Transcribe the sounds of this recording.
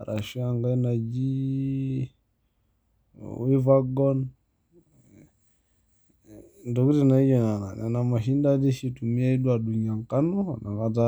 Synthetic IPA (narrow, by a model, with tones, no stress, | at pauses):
ɾʔa̰˨ʃi˦a˨ŋɡa˦i˦na˨d͡ʒi˦ | wi˦va˦ɡɔ˦n | ndɔ˨ku˦ti˨na˨i˦d͡ʒɔ˨na˨na˨nɛ˨na˨ma˨ʃi˦nda˦di˦ʃi˦˨tu˨mi˦a˦i˦ɗwa˨ɗu˨ɲa˨ŋka˦nu˦˨na˨ŋɡa˦ta˦